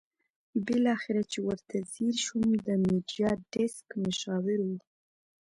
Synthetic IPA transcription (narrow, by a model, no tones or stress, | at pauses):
bɪlɑxɪɾat͡ʃewəɾt̪ʰaziɾʃumd̪əmiɖjɑɖɪskmʊʃɑwɪɾwu